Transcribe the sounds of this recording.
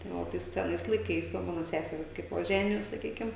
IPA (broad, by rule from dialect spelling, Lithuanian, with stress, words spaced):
tɐɪ ˈoː ˈtɐɪs sʲɛˈnɐɪs lˠɐɪˈkɐɪs ˈʋɐ ˈmɑːnoː ˈsʲæːsʲɛrʲiːs kɐɪp ˈʋɐ ˈʒʲæːnʲɪjoːs sɐˈkʲiːkʲɪm